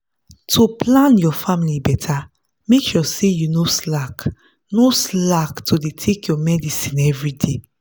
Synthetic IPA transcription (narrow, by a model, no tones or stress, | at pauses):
tʰoplãnjɔfamilibɛtʰa | mekʃɔsejunoslak | noslaktʰodetʰekjɔmɛdisĩnɛvɹide